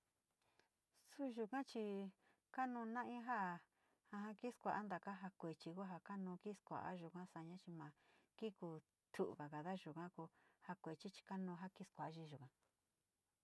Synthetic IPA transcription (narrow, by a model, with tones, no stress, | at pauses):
su˦ʒu˧kã˦t͡ʃi˧ | ka˦nũ˧nã˦ʔĩ˦ɦa˦˨ | hã˧ɦã˧ki˦skʷa˨ʔa˦nd̪a˨ka˦ɦa˧kʷe˨t͡ʃi˧ko˦ɦa˧ka˦nũ˧ki˦skʷa̰˨ʔa̰˦ʒu˨kã˦sa˧ɲã˦t͡ʃi˧mã˨ki˦ku˧ | t̪ʰu˨βa˨ka˨ða˦ʒu˨kã˦ku˧ha˧kʷe˨t͡ʃi˦t͡ʃi̥˧ka˦nũː˧ɦa˦ki˦skʷa˨˦ʒi˧ʒu˨kã˧˦